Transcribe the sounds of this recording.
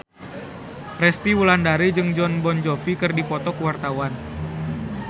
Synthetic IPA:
rɛst̪iwulandaɾid͡ʒɨŋd͡ʒɔnbɔnd͡ʒɔfikɨrdipɔt̪ɔkuwart̪awan

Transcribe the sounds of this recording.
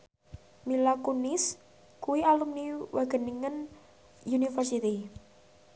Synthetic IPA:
milakunɪs | kuwialumniwʔaɡ̥ə̤niŋən | junifərsit̪i

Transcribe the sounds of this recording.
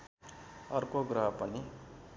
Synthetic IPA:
ʌrkoɡrʌɦʌpʌni

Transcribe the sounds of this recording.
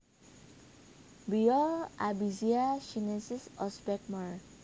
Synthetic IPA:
bijɔabiziaʃinesisɔspɛk̚maɹ

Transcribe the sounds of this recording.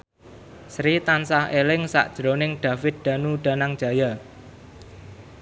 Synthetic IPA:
sɾit̪ansahelɪŋsa̰ʔd̥ʒ̥ɾonɪŋɖ̪̥ä̤fɪt̪̚d̪̥a̤nuɖ̪̥a̤naŋd̥ʒ̥ä̤ja

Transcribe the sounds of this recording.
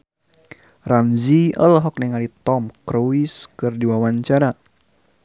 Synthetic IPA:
ramziə̰lɦɔk̚niŋalit̪ɔmkɾoiskɨrdiwawaɲt͡ʃaɾa

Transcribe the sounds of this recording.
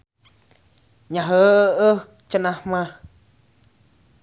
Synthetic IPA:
ɲãɦəə | t͡ʃaʔnãhmã

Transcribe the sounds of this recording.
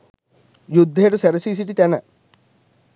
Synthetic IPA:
jud̪ʱːejʈuseɾɐsiːs̬iʈːit̪ɐnɐ

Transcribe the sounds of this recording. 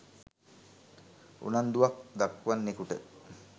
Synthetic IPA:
ṵnand̪uʋak̚d̪akːʋanːekuʈə

